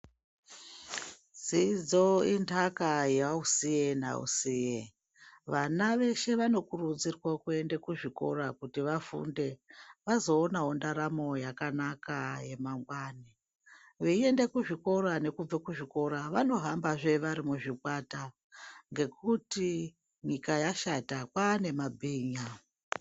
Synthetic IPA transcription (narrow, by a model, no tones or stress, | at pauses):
zid͡zo̞intʰakajeausijena̰ṵsije | ʋanaʋe̞ʃe̞ʋano̞kurud͡zirwakue̞ndekuʐiko̞̰ɾakutiʋafṵnde̞ʋazo̞ːnaɦondaɾamo̞jakanakaje̞maŋɡwaːne | ʋeie̞nde̞kuʐiko̞ɾane̞kub͡vekuʐiko̞ɾaʋano̞ɦambaʐe̞ʋaɾimuʐikwata | ŋɡe̞kuti | ɲikajaʃatakwaːne̞mabʱiːɲa